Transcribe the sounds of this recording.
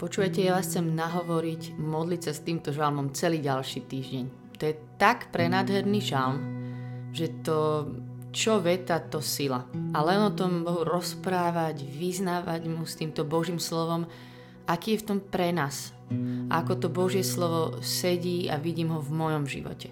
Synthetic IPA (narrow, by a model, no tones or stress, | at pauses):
pɔt͡ʃuːʋajcɛjaʋaːsxt͡sɛmnaɦɔʋɔɾicmɔd̪licsast̪iːmt̪ɔʒalmɔmt͡sɛliːɟalʃiːt̪iːʒɟɛɲ | t̪ɔjɛt̪akpɾɛnaːd̪ɦɛɾniʒalm | ʒɛt̪ɔ | t͡ʃɔʋɛt̪at̪ɔsila̰alɛnɔt̪ɔmbɔɦuɾɔspɾaːʋaɟʋiznaːʋaɟmust̪iːmt̪ɔbɔʒiːmslɔʋɔm | akiːjɛft̪ɔmpɾɛnaːs | a̰akɔt̪ɔbɔʒɪɛslɔʋɔsɛɟiːa̰ʋiɟiːmɦɔvmɔjɔmʒḭʋɔ̰cɛ